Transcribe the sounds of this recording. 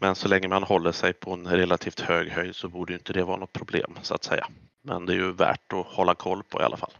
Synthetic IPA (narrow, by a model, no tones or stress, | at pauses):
mɛnsɔlɛŋːəmanhɔlːəʂɛjpʰɔɛnɾɛlat̪ʰiːft̪høːɡhœj̪sɔbuːɖəɛjʏnt̪əd̪ɛvɑːɾanɔt̪̚pʰɾʊblḛːmsʊa̰t̪sɛjːa̰ | mɛ̰nd̪ɛæɾjɵvæ̰ːʈɔhɔlːakʰɔlːpʰɔ̰ɪʔa̰ʔa̰fa̰lː